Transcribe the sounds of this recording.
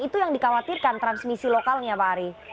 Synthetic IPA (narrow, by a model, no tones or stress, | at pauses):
it̪ujaŋdikawat̪irkant̪ɾansmisilokalɲabaɾi